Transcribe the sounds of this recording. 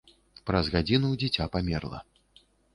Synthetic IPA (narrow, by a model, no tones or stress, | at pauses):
pɾɐzɣad͡zʲinud͡zʲɛt͡sʲapamʲɛrlˠɐ̰